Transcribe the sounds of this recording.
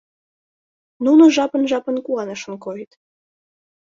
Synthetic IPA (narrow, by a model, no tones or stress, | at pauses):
nunoʒɑpə̆nʒɑpə̆nkuɑnəʃə̆nkoit̪